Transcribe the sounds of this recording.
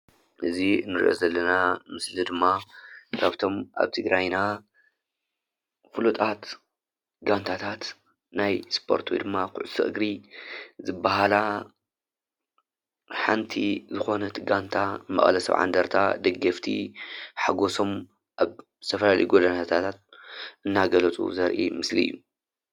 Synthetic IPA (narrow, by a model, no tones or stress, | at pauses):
ʔɨzinɨɾḭʔo̞̰zɐlːɐnamɨslid̪ɨmːakʰaβt̪ʰo̞mʔa̰βt̪ʰɨɡɾajna | kulut̪ʼat̪ | ɡant̪ʰat̪ʰat̪ | najspʰo̞̰ɾt̪ʰwejd̪ɨmːakʰʊʕusɨʔɨɡɾizɨbːaɦala | ħa̰nt̪ʰḭzɨxo̞nɐt̪ɡant̪ʰamɐ̰χʼlɐsɐ̰βʕa̰nd̪ɐɾt̪ʰa̰d̪ɐɡːɐft̪ʰḭħaɡoso̞m | ʔaβ̥ | t̪ʰɐfɐlalɐ̰jɡolɐnat̪ʰat̪ʰat̪̚ʔɨnːaɡɐlɐt͡sʼṵzɐɾʔḭmɨslijːu